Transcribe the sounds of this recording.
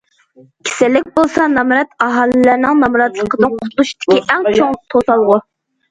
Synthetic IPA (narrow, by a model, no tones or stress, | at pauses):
kʲʰe̥sɪlɪk̚ʲbolˠsɑnɑmɾɑt̪ɑɦɑlɨlæɾnɪŋnɑmɾɑt̪lˠəqəd̪ɨnqʰʊ̥t̪ʰlˠuʃi̥t̪ʰɪ̥kʲiæŋt͡ʃʰoŋlˠt̪ʰosɑlˠʁʊ